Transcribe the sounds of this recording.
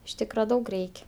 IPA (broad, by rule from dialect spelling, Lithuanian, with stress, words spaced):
ɪʃ ˈtʲiːkrɐ ˈdɐʊk ˈrʲɛɪkʲ